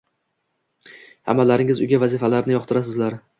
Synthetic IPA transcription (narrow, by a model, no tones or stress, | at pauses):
ha̰mːalːaɾɪŋɪzʊ̰jɡʲavazɪfalaɾnɪjɒqt̪ʰɪɾas̬ɪzlaɾ